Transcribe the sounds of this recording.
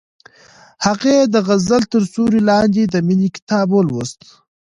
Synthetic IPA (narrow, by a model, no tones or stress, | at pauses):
haqed̪əɣazəlt̪əɾsuɾilɑːnd̪id̪əminikɪ̥t̪ɑːbolwost̪